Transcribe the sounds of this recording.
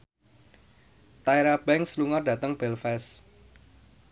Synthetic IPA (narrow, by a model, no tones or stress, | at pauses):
t̪aeɾab̥ɛŋsluŋɔrd̥a̤t̪əŋb̥ɛlfɛs